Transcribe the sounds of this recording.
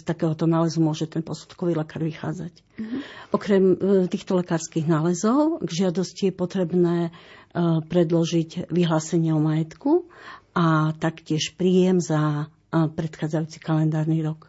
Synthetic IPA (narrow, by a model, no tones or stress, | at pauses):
st̪akɛːɦɔt̪ɔnaːlɛzumʊɔʒɛt̪ɛnpɔsu̥t̪kɔʋiːlɛkaːɾʋixa̰ːd͡zac | ʔɔkɾɛmt̪iːxt̪ɔlɛkaːɾskiɣnaːlɛzɔʊɡʒɪad̪ɔscijɛpɔt̪ɾɛbnɛː | pɾɛd̪lɔʒiɟʋiɦlaːsɛɲɪɛɔmajɛt̪kuʔat̪akcɪɛʃpɾiːjɛmza | pɾɛt̪xaːd͡zajuːt͡si̥kalɛnd̪aːɾniɾɔk